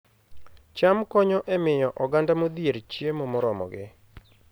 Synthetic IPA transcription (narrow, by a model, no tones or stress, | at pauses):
t͡ʃamkɔɲɔʔɛmɪjɔʔɔɡandamod̪jeɾt͡ʃjemɔmɔɾɔmɔ̰ɡɪ̰